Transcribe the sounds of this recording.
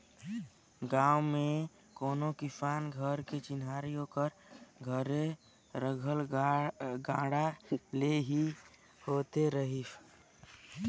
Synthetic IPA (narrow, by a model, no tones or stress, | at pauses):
ɡãːʊme | koːnokɪpaːnɡʱəɾket͡ʃɪnaːɾijokəɾ | ɡʱəɾe | ɾəɡʱəl | ɡãːɽaleɦi | hoːt̪eɾəɦi